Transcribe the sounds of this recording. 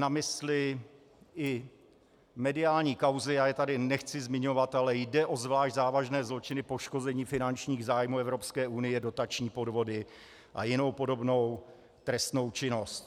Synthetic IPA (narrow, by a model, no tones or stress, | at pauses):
namɪslɪ | ʔɪ | mɛdɪaːlɲiːkawzɪjaːjɛt̪adɪnɛxt͡sɪzmɪɲovat̪ʔalɛjdɛʔo̞zvlaːʃɟzaːvaʒnɛːzlo̞t͡ʃɪnɪpo̞ʃko̞zɛɲiːfɪnant͡ʃɲiːɣzaːjmuːɛvɾo̞pskɛːʔunɪjɛdo̞t̪at͡ʃɲiːpo̞dvo̞dɪ | ʔa̰jɪno̞wpo̞do̞bno̞w | t̪ɾɛst̪no̞wt͡ʃɪno̞st̪